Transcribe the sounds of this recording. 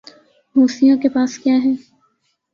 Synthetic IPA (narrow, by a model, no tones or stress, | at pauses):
ɦoːsijãkepaːskjaːɦɛː